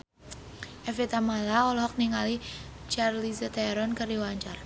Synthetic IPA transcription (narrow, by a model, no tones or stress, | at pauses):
ʔɛfit̪amalaɔlɔɦɔk̚niŋali | t͡ʃarlisət̪aɾɔnkərdiwaɲt͡ʃar